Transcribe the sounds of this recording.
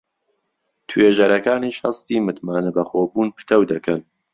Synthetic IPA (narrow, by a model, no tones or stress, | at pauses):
t̪ʰweːʒɐɾɐkaːniːʃhɐst̪iːmɨt̪maːnɐbɐxoːbuːnpʰɨ̥t̪ʰɐwd̪ɐkʰɐn